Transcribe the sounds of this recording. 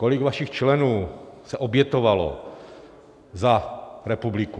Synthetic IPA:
kolɪɡvaʃɪxt͡ʃlɛnuːsɛʔobjɛt̪ovalo̰ | zaɾɛpublɪku

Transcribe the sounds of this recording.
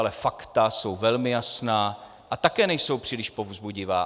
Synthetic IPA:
lɛfakt̪aso̞wvɛlmɪjasnaː | ʔat̪akɛːnɛjso̞wpr̥iːlɪʃpo̞vzbuɟɪvaː

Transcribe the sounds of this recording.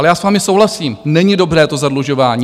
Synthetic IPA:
lɛjaːsvaːmɪso̞wɦlasiːmnɛɲɪdo̞bɾɛːt̪o̞zadluʒo̞vaːɲiː

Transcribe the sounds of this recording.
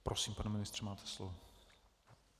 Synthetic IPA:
pɾosiːmpanɛmɪnɪst̪r̝̥ɛmaːt̪ʰɛ̥slo̰vɔ

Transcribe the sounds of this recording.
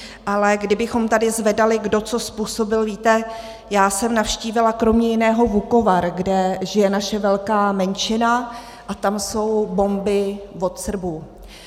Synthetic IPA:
ʔalɛɡdɪbɪxo̞mt̪adɪzvɛdalɪɡdo̞t͡so̞spuːso̞bɪlviːt̪ɛ | jaːsɛmnafʃciːvɪlakɾo̞mɲɛjɪnɛːɦo̞vuko̞vaɾɡdɛʒɪjɛnaʃɛvɛlkaːmɛnt͡ʃɪna | ʔat̪amso̞wbo̞mbɪvo̞t̪sr̩bu

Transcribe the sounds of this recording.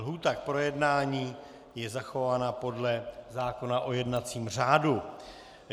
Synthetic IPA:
ɦuːt̪ak̚pɾo̞jɛdnaːɲiː | jɛzaxo̞vaːnapo̞dlɛzaːko̞naʔo̞jɛdnat͡siːmr̝aːdu

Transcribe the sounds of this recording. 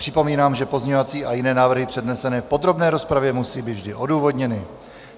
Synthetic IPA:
r̝̥ɪpo̞miːnaːmʒɛpo̞zɲɛovat͡siːʔajɪnɛːnaːvr̩ɦɪpr̝̥ɛdnɛsɛnɛːfpo̞d̪ɾo̞bnɛːɾo̞spɾavjɛmusiːbiːvʒdɪʔo̞duːvo̞dɲɛnɪ

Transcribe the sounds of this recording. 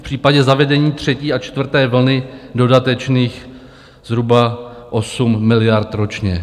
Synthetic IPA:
fpr̥iːpaɟɛzavɛdɛɲiːt̪r̝̥ɛciːat͡ʃt̪vr̩t̪ɛːvl̩nɪdo̞dat̪ɛt͡ʃniːx | zɦɾubaʔo̞sumːɪlɪjaɾt̪ɾo̞t͡ʃɲɛ

